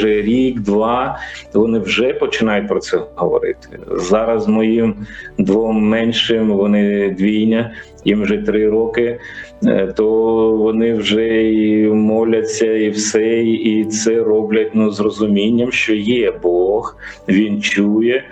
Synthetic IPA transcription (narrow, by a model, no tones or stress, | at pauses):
ʒɛɾʲiɡd̪ʋɑʋɔnɪwʒɛpɔt͡ʃɪnɑjʊt̚ʲpɾɔsɛɦɔ̰ʋɔ̰ɾɪ̰t̪ɪ̥zɑɾɐzmɔjimd̪ʋɔmːɛnʲʃɪmʋɔnɪd̪ʋʲijnʲɐ | jimwʒɛt̪ɾɪɾɔkɪ | t̪ɔʋɔnɪwʒɛimɔlʲɐt͡sʲːɐiwsɛiit̪sɛrɔblʲɐtʲnuzrɔzʊmʲinʲːɐmʃt͡ʃɔjɛbɔx | ʋʲint͡ʃujɛ